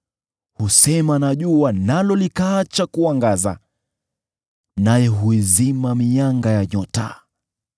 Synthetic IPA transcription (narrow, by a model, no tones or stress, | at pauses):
husɛmanaʄuanalɔlikaːt͡ʃakuaŋɡaza | najɛɦuizimamijaŋɡajaɲɔta̰